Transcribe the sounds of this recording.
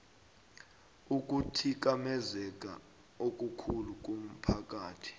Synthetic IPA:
uk̬ʼutʰik̬amɛzɛk̬ʼa̰ | ok̬ʼukʰuluk̬ʼum̩pʰak̬ʼaːtʰi̥

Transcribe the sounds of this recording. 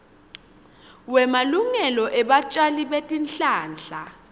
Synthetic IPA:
wɛmaluŋɛlɔʔɛɓat͡ʃʼaliɓetʼinɬʼaːnd͡ɮʱa

